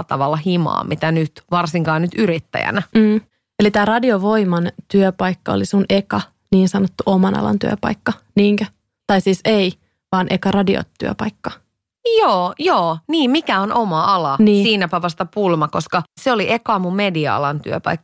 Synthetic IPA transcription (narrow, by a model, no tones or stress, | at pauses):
t̪ɑʋɑlːɑhimɑ̰ːmit̪ænyt̪ʋɑrsiŋkɑːnyt̪yɾit̪ːæ̰jæ̰næm̩ː | elit̪æːrɑdioʋo̞imɑnt̪yøpɑikːɑo̰lisunekɑ | niːnsɑnot̪ːuʔomɑnɑ̰lɑ̰nt̪y̰ø̰pɑ̰ikːɑniːŋkæ | t̪ɑisiːsei | ʋɑːnʔekɑrɑdio̰t̪y̰ø̰pɑikːɑ | joːjoːniːmmikæonʔomɑɑlɑniːsiːnæpɑʋɑst̪ɑpulmɑkoskɑseoliʔekɑːmummediɑɑ̰lɑnt̪yøpɑ̰ikːɑ̥